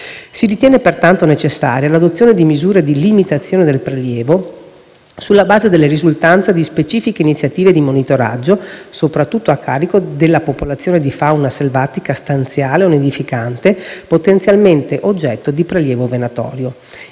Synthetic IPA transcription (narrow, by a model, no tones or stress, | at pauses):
siɾit̪jɛːnepert̪ant̪onet͡ʃesːa̰ːɾjalad̪ot̪sjoːned̪imizuːɾed̪ilimit̪at̪sːjoːned̪elpɾeljɛːvo | sulːabaːzed̪elːerizult̪ant̪sad̪ispet͡ʃiːfikeinit̪sjat̪iːved̪imonit̪oɾa̰d͡ʒːosopɾat̪ːut̪ːoakʰːa̰ːɾikod̪elːapopolat̪sːjoːned̪ifawnaselvaːt̪ikast̪ant̪sjaːleoned̪ifikant̪epot̪ent̪sjalment̪eʔod͡ʒːɛt̪ːod̪ipɾeljɛːvovenat̪ɔ̰ːɾjo